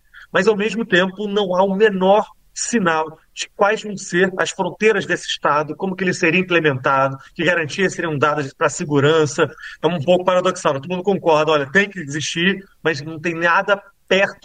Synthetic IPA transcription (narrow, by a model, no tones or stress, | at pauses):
mɐzawmeʒmʊt̪ẽmpʊnɐ̃w̃aũmenɔɾ | sinaw | d͡ʒɪkwajzvɐ̃w̃seɾɐ̰sfɾõnt̪ejɾɐzd̪esɪʃt̪ad̪ʊkõmʊkɪelɪseɾiɐĩplemẽnt̪ad̪ʊkɪɡaɾɐ̃nt͡ʃiɐseɾiũd̪ad̪ʊpɾɐsɪɡuɾɐ̃sɐɛ̃ũpowkʊpaɾad̪oksawt̪od̪mũd̪ʊkõkɔɾd̪ɐɔlʲɐt̪ẽj̃kɪd͡ʒziʃt͡ʃiɾ | mɐznɐ̃w̃t̪ẽj̃nad̪ɐ | pɛɾt̪ʊ̥